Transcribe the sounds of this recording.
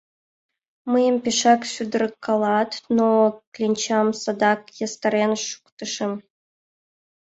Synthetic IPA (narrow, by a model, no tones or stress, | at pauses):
mɨjəmpʲeʂɑksʲyd̪rəkʰːɑlˠɑt̪noklʲinʲt͡ɕɑmsɑd̪ɑkjɑst̪ɑɾʲenʃu̥kt̪ɤ̆ʂɤ̆m